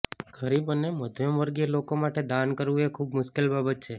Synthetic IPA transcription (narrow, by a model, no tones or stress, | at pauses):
ɡʱəɾibəneməd̪ʱjəmʋəɾɡielokomaʈed̪ankəɾʋuekʰubmʊʃkelbabət̪̚t͡ʃʰe